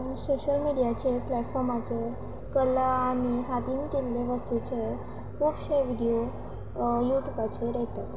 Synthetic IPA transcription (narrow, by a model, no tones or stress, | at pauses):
soɕəlmiɽijat͡ɕeplɛʈfɔɾmat͡ɕe | kəlaaɽ̃iɦat̪iːnkelːeʋəst̪ut͡ɕe | ʋokɕajʋiɽijo | juʈjubat͡ɕeɾɛɦt̪at̪